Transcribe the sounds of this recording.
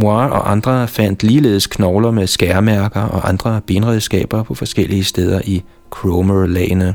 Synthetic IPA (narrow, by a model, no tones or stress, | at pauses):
moɑ̈ɒ̽ʔɑ̈nd̥ʁɐfæn̰d̥liːle̝̰ːðˠskʰnɒʊlɐmesɡ̥æɐmæɐɡ̥ɐʔɒ̽ʔɑ̈nd̥ʁɐb̥e̝nʁɛðˠsɡ̥ɛ̰ːb̥ɐpʰɒ̽fɒ̽sɡ̥el̰iəsd̥eːð̞ˠɐʔi | kʰʁoməlɛːɪnə